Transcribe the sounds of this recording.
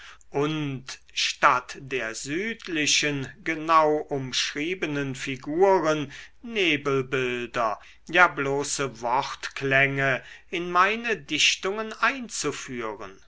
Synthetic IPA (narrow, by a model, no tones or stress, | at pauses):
ʔʊnt | ʃtatd̥eːɐzyːtʰlɪɕənɡənaʊʔʊmʃʁ̥iːbənənfiɡuːʁənneːbəl̩bɪldɐ | jaːbloːsəvɔʁtklɛŋəɪnmaɪnədɪʃtʊŋənaɪnt͡sufyːʁə̰n